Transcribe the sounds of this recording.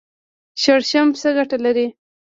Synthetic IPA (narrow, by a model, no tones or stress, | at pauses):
ʃəɽʃamsəɡaʈalaɾi